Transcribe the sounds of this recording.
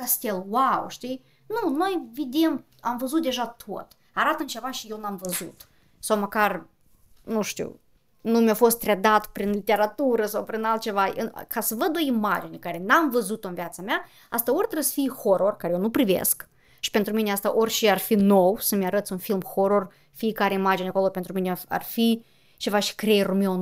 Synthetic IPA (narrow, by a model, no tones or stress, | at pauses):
kast̪elˠwawʃt̪i | nunojved̪em | amvəzut̪̚d̪eʒat̪ʰo̰t̪ | aɾat̪əmt͡ʃevaʃijewnamvəzṵt̪ | sawməkar | nuʃt̪ḭw | numʲjafost̪ːɾʲed̪at̪pɾinlit̪ʲeɾat̪uɾəsawpɾinalt̪̚t͡ʃevaə̰kasəvəd̪uoimad͡ʒinʲikaɾenamvəzut̪onvjat̪samʲja | ast̪aorʲt̪ɾəsfixoɾo̞rkaɾejenupɾivḛsk | ʃi̥pe̞nt̪ɾumineast̪aʔorʲʃiarfino̞wsəmʲeaɾət̪sunfilmxoɾor | fiːkaɾeimad͡ʒinʲako̞lˠopent̪ɾuminea̰rfi | t͡ʃe̞vaʃi̥kɾeɾumeon